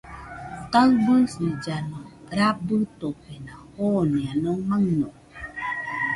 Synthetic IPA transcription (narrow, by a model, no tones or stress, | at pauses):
talbunsid͡ʒanoɾabətopenahonianomaŋno